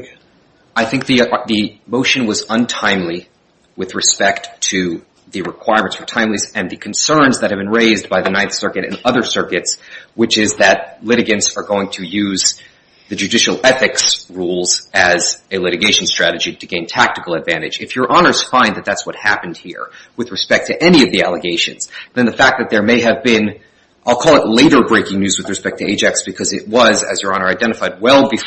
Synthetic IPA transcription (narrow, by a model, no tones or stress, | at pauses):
aɪθɪ̃ŋk̚ðiðɨmoʊʃɨ̃nwʌzə̃ntʰãɪ̃mli | wɨðɹɨspɛktʰɨ | ðɨɹɨkʰw̥aɪɹmɨ̃ntsfə˞tʰãɪ̃mlizɨ̃nðɨkʰn̩sɜ̃˞nzðɨt̚hɨvbɨ̃nɹeɪzbaɪðɨnãɪ̃θsɜ˞kɨɾɨ̰̃nʌðə˞sɜ˞kɨtswɨt͡ʃɪzðɨt̚lɪɾɨɡɨ̃ntsə˞ɡoʊɪ̃ŋtʰɨjʉz | ðɨd͡ʒʉdɪʃl̩ˠɛθɨksɹulˠzɨzɨlɪɾɨɡeɪʃn̩stɹ̥æɾɨd͡ʒiɾɨɡẽɪ̃ntʰæk̚tɨkl̩ˠədvæ̃ɾ̃ɨ̰d͡ʒɨfjə˞ʔɑnə˞z̥fãɪ̃nðɨt̪̚ðætswʌt̚hæpn̩d̚hiɹwɨðɹɨspɛk̚tʰɨʔɛniʌvðiælˠəɡeɪʃɨ̰̃nz̥ðɨ̃nðɨfæk̚ðɨt̪̚ðə˞meɪɨvbɪ̃n | ʔaɪlˠkʰɔlˠətˡleɪɾə˞bɹeɪkɪ̃ŋnʉzwɨðɹɨspɛk̚tʰɨeɪt͡ʃɛksb̥ɨkʰʌzɨ̰ʔ̚wʌzɨ̰zjə˞ɑnə˞aɪdɛ̃ɾ̃ɨfaɪd̚wɛlˠbɨf